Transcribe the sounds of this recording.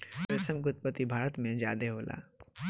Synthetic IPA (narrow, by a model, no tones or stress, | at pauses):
mɛsə̃mkʊt̪̚pət̪ibʱaːɾət̪mẽd͡ʒja̰ːd̪eɦoːlʔa̰ː